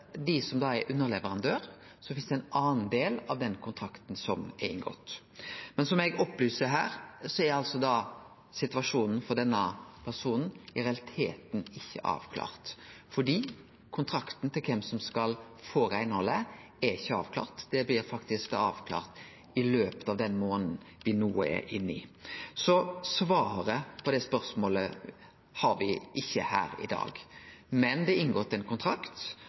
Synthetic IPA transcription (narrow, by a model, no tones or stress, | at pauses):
d̪ɪsɔmd̪ɑːɛɾʔʉnːəɾɭɛʋəɾɑnd̪øːɾ | sɔfɪnsd̪ɛæɪnɑːnd̪eːlɑʋd̪ɛnkʰʊnt̪ʰɾɑkt̪n̩sɔmɛɪ̰ŋɡɔ̰t̪ː | mɛnsɔmɛɡɔpːlyːsəɾɦæ̰ːɾsɔɛɾɑlsɔd̪ɑ | sɪt̪ʋɑʂuːnn̩fɔʁd̪ɛnːəpʰæʁsuːnn̩ɪɾɛɑlɪt̪ʰḛːt̪n̩ɪçːə̰ʔɑ̰ːʋkʰlɑ̰ːɾt̪fɔɖiː | kʰʊnt̪ʰɾɑkt̪n̩t̪ʰɪlkʰɛmsɔmskɑl | foːɾæɪnhɔlːə | æɾɪçːəɑːʋkʰlɑ̰ːʁt̪d̪̥ɛblɪɾfɑkt̪ɪsk̚d̪ɑɑːʋkʰlɑ̰ːʁt̪ | ɪløːpət̪ɑʋd̪ɛnmoːnn̩ | ʋɪnuːəɛ̰ɾʔɪnːɪsɔsʋɑːɾəpʰɔd̪ɛspœɾsmoːlə | hɑɾʋɪʔɪçːəhæ̰ːɾɪ̰d̪ɑ̰ːɡmɛnd̪ɛɪnɡoːɾt̪ʰɪlɛnkʰʊnt̪ʰɾɑkt̪